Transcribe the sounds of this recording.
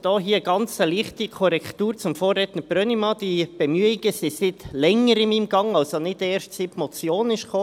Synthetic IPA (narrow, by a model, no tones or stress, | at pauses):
d̥ɔːɦiːəɡ̥ɑnt͡səliːχtikʰɔɾɛktuːɾt͡sʊmfoːrːɛt̪nəbɾœnimɑːd̪̥ib̥ɛmyəiɡ̥əsisɪtlɛŋːəɾɪmiːmɡ̥ɑŋɑlsonɪdɛːɾʃtt͡sɪpmɔt͡sjoːnɪʃχoː